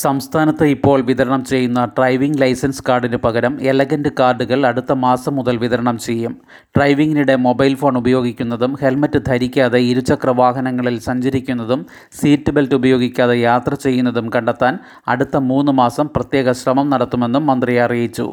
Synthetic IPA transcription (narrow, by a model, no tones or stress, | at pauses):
sɐmst̪ʰaːnɐt̪ːɨipːo̞ːɭʋiðɐɾɐɳɐmt͡ɕe̞jːunːɐɖrɐjʋiŋɡlɐjsɐnskaːrɖindepɐɣɐɾɐmelɐɣɐndɨkaːrɖuɣɐɭɐɽut̪ːɐmaːsɐmːuðɐlʋiðɐɾɐɳɐmt͡ɕe̞jːum | ɖrɐjʋiŋɡiniɽe̞mo̞bɐjlfo̞ːɳubɐjo̞ːɡikʲːun̪ːɐðumhe̞lmɐtːɨd̪ʱɐɾikʲːaːðeiɾut͡ɕːɐkrɐʋaːɦɐnɐŋːɐɭilsɐɲd͡ʑɐɾikʲːunːɐðum | siːtːɨbeltubɐjo̞ːɡikʲːaːðejaːt̪rɐt͡ɕe̞jːunːɐðumkɐɳɖɐt̪ːaːn | ɐ̰ɽut̪ːɐmuːnːumaːsɐmprɐt̪je̞ːɣɐɕrɐmɐmnɐɽɐt̪ːume̞nːumːɐnd̪rijɐrijit͡ɕːṵ